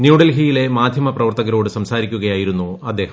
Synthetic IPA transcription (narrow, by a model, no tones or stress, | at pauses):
njuːɽɐlɦijile̞maːd̪ʱjɐmɐprɐʋɐrt̪ɐɣɐɾo̞ːɽɨsɐmsaːɾikʲːuɣɐjaːjiɾunːuɐd̪ːe̞ːhɐ